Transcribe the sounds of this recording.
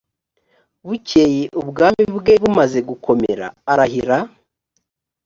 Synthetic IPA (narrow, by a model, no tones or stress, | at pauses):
βucejeʔubɡaːmiβɡeβumaze̞ɡukʰo̞mḛɾa̰ːɾaɦiɾa